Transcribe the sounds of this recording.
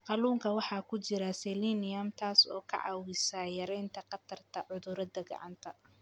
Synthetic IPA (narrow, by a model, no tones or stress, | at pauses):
qɑluːŋkʰɐwɑħɑːkʰʊt͡ʃɪɾɐsɛlinɪjɐmt̪ʰaːsɔ̰ːkʰɐ̰ʕɑ̰wɪsaːjɐɾɛjnt̪ʰɐqɑt̪ʰɐrt̪ʰɐʕʊðʊɾɐd̪ɐɡɑ̰ʕɑ̰nt̪ʰɐ